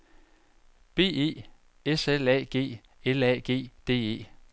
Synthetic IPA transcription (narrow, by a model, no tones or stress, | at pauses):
b̥e̝̰ːe̝̰ː | eselɛ̰ːɡ̥e̝̰ː | elɛ̰ːɡ̥e̝̰ːd̥e̝̰ːe̝̰ː